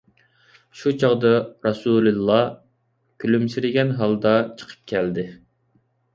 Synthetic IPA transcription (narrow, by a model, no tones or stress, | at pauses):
ʃut͡ʃʰɑʁd̪ɑɾɑsululˠːɑ | kʲʰylymsɪɾɪɡʲɛnɦɑlˠd̪ɑt͡ʃʰə̥qʰə̥p̚kʲʰɛld̪ɪ